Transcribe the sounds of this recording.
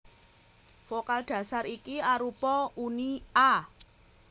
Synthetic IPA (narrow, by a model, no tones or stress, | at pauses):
fokald̪̥ä̤saɾikiaɾupɔunia